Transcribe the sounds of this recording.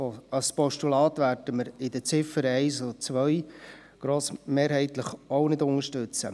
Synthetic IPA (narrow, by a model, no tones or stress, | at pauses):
ɑspɔʃtulɑːt̪ʋæːɾd̥əməɾɪd̪ət͡sɪfəɾɛɪsot͡sʋœj | ɡ̥ɾoːsmeːɾɦɛɪt̪ləχownɪdʊŋəʃtʏt͡sə̰